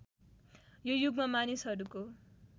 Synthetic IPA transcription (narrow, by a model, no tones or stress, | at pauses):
jojuɡmamanisɦʌɾuko